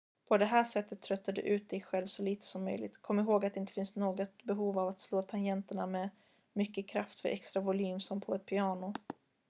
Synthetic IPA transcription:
pʰɔd̪ɛɦæːʂɛt̪ːət̪ʰːɾœt̪ːad̪ɛ̰ʔʉ̟ːt̪̚d̪ɛjɧɛlvsɔliːt̪ə̥sɔmːœ̰jlɪɡt̪kʰɔmːɪɦoːɡat̪d̪ɛɪnt̪ə̥fɪnst̪noːɡɔt̪̚bɛɦuːvavat̪sloːt̪ʰanjɛnt̪əɳamɛ | mʏkːəkʰɾaft̪fœ̰ɾʔɛkst̪ɾavʊlyːmsɔmpʰɔɛt̪̚pʰɪɑːnʊ

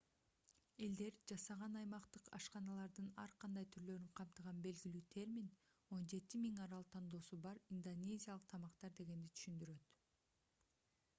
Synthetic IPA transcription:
e̞ld̪e̞ɾd͡ʒɑsɑʁɑnɑjmɑqt̪ɯqɑ̰ʃqɑnɑlˠɑɾd̪ɯnɑ̰ɾqʰɑnd̪ɑjt̪ʰyɾlø̞ɾyɴqʰɑmt̪ɯʁɑnbe̞lɡilyːt̪ʰe̞ɾmʲin | o̞nd͡ʒe̞t̪imiŋɑɾɑlˠt̪ʰɑnd̪o̞ːsubɑɾind̪onʲe̞zʲijalˠəq̚t̪ʰɑmɑqt̪ɑɾd̪e̞ɡe̞nd̪it̪ʰy̥ʃynd̪yɾø̞t̪

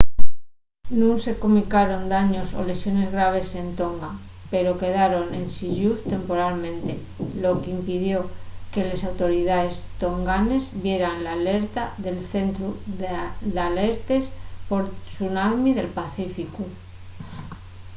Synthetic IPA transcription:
nũŋse̞komikaɾo̞nd̪aɲo̞so̰le̞sjo̞ne̞zɣɾaβ̞e̞se̞nt̪o̞ŋɡa | pe̞ɾo̞ke̞ðaɾo̞ne̞nsiʎuθt̪e̞mpo̞ɾalmẽ̞nt̪e̞ | lo̞keimpiðjo̞ke̞lesawt̪o̞ɾiðae̞st̪o̞ŋɡane̞zbje̞ɾanlaːle̞ɾt̪aðe̞lθe̞nt̪ɾu | d̪ale̞ɾt̪e̞spo̞ɾsunamiðe̞lpaθifiku

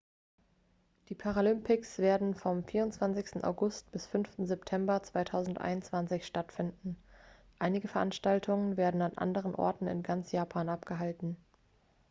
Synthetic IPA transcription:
d̥iːpʰaʁalʏmpʰɪksv̥eːɐdn̩fɔmfiːʁʊnt͡sv̥ant͡sɪçstn̩ʔa̰ʊɡʊst̚b̥ɪsfʏnftn̩zɛptʰɛmbɐt͡sv̥aɪtʰaʊzn̩tʔa̰ɪnʊnt͡sv̥ant͡sɪçʃtatfɪndn̩ | ʔaɪnɪɡəfɛɐʔanʃtaltʰʊŋənveːɐdn̩anʔa̰ndəʁənʔɔ̰ɐtn̩ɪ̰nɡant͡sjaːpʰaːnʔapɡ̥əɦaltn̩

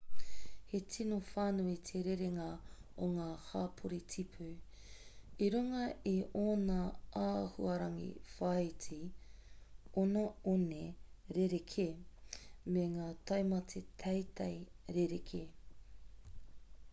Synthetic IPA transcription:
hetʰinofaːnuitʰeɾeɾeŋɐoŋaːhaːpʰoɾitʰipʰu | iɾuŋɐioːnɐahṵɐɾɐŋḭfɐjt͡si | onaoneɾeɾekʰe | meŋaːtɐjmɐtʰet̪ʰɐjtʰɐjɾeɾekʰe

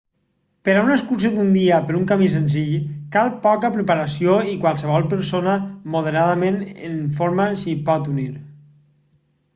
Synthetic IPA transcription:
pəɾaunəskuɾsjod̪und̪iəpəɾuŋkamis̬ənziʎkalˠpɔkəpɾəpəɾəsioikwalˠsəβɔlˠpəɾsonəmoð̞əɾaðəmenə̰nfoɾməsipɔt̪uniɾ

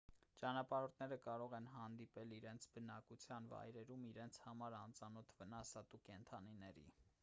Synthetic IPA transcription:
t͡ʃɑnɑpɑɾɔɾt̪ʰnɛɾəkɑɾɔʁɛnɦɑnd̪ipɛliɾɛnt͡sʰbənɑkut͡sʰjɑnvɑ̰jɾɛɾumiɾɛnt͡sʰhɑmɑɾɑnt͡sɑnɔt̪ʰvənɑsɑt̪ukɛnt̪ʰɑninɛɾḭ

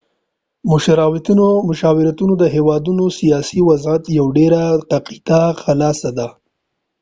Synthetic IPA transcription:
mʊʃaɾɑwɪt̪unomʊʃɑwɪɾat̪unod̪əɦewɑd̪unosijɑsiwazat̪jawɖeɾaq̪aqit̪axalɑsad̪a

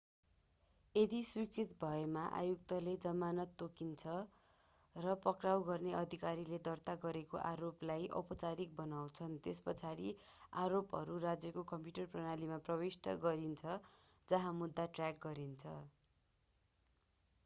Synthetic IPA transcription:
ed̪iswikrit̪̚bʱʌemaʔa̰juk̚t̪ʌled͡zʌmanʌt̪ːokint͡sʰʌ | rʌpʌkrawɡʌrneʌd̪ʱikaɾiled̪ʌrt̪aɡʌɾekoʔaɾoplajʔʌ̰pʌt͡saɾik̚bʌnawt͡sʰʌnt̪espʌt͡sʰaɾi | aɾopɦʌ̰ɾurad͡zjʌkokʌmpjuʈʌrprʌnalimaprʌwisʈʌ̰ɡʌɾint͡sʰʌ | d͡zʌɦãmud̪ːaʈrjak̚ɡʌɾint͡sʰʌ

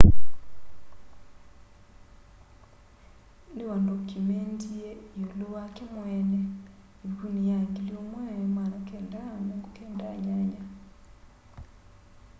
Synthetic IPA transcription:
ndiwandokːimentiejoluwakimweːne | ikunijaːŋɡiljomweːnemwaɾokendaɲokukeːndaɲaɲa

